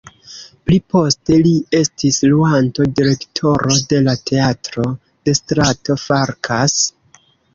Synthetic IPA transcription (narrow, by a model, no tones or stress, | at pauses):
plipo̞ste̞lie̞stisluanto̞diɾe̞ktʰo̞ɾo̞de̞late̞atɾo̞ | d̥e̞stɾato̞faɾkʰas